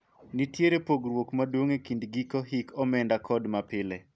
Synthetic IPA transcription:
nitjeɾepoɡɾwokmadwoŋekindɡikoɦikɔmɛndakʰɔdmapɪle

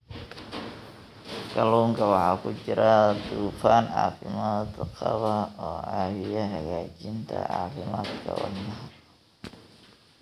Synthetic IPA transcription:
ɡʰɐluːŋkʰɐwɑħɑːkʰʊt͡ʃɪɾɐd̪uːfaːnʕɑ̰ːfɪmaːd̪qɑβɐɔːʕaːwɪjɐɦɐɣaːt͡ʃɪnt̪ʰɐ̰ʕɑ̰ːfɪmaːd̪kʰɐ̰wɑ̰nɐɦɐ

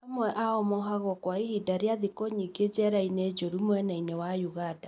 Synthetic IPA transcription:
amwɛʔaɔmɔɦaɣɔkwaihidaɾeaðikoɲiɡed͡ʒɛɾained͡ʒoɾumwɛnainewajuɣada

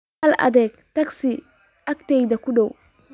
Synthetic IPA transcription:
alɐ̰d̪ɛk̚t̪ɐksi | ɐk̚t̪ejd̪ɐkuɗow

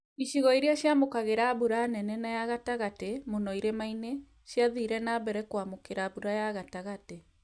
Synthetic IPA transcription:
iʃiɣɔiɾiaɕjamokaɣeɾaβuɾanɛnɛnajaɣataɣatemonɔiɾemaine | ɕjaðiɾɛnaːbɛɾɛkwamokeɾabuɾajaɣataɣate

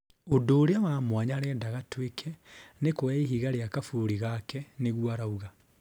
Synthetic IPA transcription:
odoːɾeawaːmwaɲaɾɛːdaɣatwekʰɛnekwaiɦiɣaɾeakafuɾiɣakɛneɣwaɾauɣa

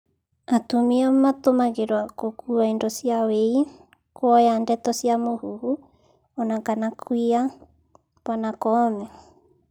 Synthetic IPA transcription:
at̪umiamat̪omaɡeɾoakokuaindosiawej | kʰoajandet̪osiamohuhu | onakanakʰuia | panakome

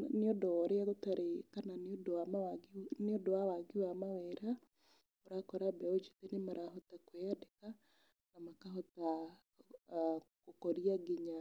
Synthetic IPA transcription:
neodɔɔɾeaɣotaɾekananodoamaaneodoawaɡiwamaweɾa | oɾakɔɾabɛod͡ʒit̪enemaɾaɦɔtakweadeka | namakaɦɔta | kokoɾiaɡiɲa

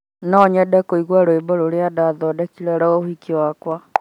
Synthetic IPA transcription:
nɔɲɛdɛkoiɣwaɾoebɔɾoɾeadaðɔdɛkiɾɛɾɔohikiwakwa

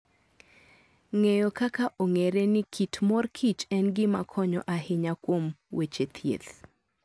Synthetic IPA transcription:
ŋejɔkakaʔoŋeɾenɪkʰitmɔrkʰit͡ʃɛnɡɪmakʰɔɲɔ̰ʔaɦɪɲakwomwet͡ʃet̪ʰjḛt̪

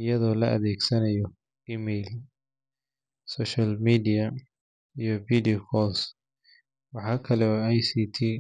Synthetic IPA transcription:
ɪjɐðɔːlɐʔɐ̰ðɛːɡsɐnɐjɔ | iːmɛjl | sɔʃɐlmidijɐ | ijɔviːdikʰɔs | wɑħɑːkʰɐlɛɔajsiːt̪ʰiː

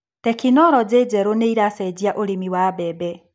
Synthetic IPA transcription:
tɛkinɔɾɔd͡ʑed͡ʑɛɾoneiɾasɛd͡ʑiaʔoɾemiwabɛbɛ

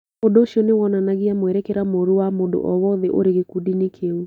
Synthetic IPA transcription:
odoʃiɔnewɔnanaɣiamwɛɾɛkɛɾamoɾuwamodo̰ʔɔwɔðɛʔo̰ɾeɣekudinekʰeu

